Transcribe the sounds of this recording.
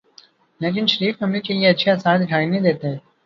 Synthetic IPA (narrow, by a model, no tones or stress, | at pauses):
leːʈ̬ɪnʃɐɾiːfɐmlikelieɐtːʃʰasaːd̪ɪʈʰaːinɐɦĩd̪eːt̪eɦɛ̃ː